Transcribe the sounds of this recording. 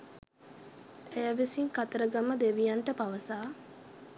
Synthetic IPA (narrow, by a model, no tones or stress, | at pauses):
ejaʋisiŋkat̪əɾəɡaməd̪eʋijaɳʈəpaʋəsaː